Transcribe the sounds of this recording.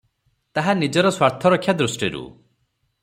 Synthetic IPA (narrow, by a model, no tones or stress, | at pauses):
t̪aɦanid͡ʒɔɾɔswaɾt̪ʰɔɾɔkʰːjad̪ɾusʈiɾṵ